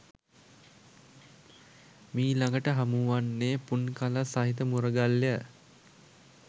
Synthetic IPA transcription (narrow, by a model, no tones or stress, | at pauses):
miːlaŋɡəʈəɦamuʋanːeːpunkaləsaɦit̪̬əmuɾəɡalːjə